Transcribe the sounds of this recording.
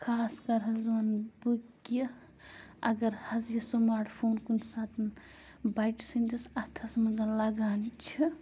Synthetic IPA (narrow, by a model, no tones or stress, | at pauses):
kʰaːskɐɾɦɐzʋɐnbukjɐ | ɐ̰ɡɐɾhɐzjɐsɐmaːɾʈʰpʰoːnkunsaːt̪ʰɐn | bajʈsind͡ʒɐsɐt̪ʰɐsmɐzɐnlɐɡaːnt͡ʃʰi